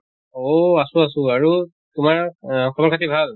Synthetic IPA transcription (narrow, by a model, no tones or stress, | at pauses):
oasʊ̃as̬ʊ̃aɹu | tʊmaɹkʰɔbɔɹkʰatibʱal